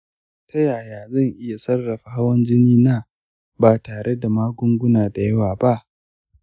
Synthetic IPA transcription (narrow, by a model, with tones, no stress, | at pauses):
tʰa˦jaː˨jaː˨zɐ˦˨ŋʔɪ˦ja˨sɐ˦rːɐ˨ɸa˨ha˦wɐ˦nd͡ʒɪ˦niː˦naː˦ | baː˨taː˨ɽe˦da˨maː˦ɡʷʊ˦ŋɡʷʊ˦naː˨da˨jɐ˦waː˨ba˦ʔ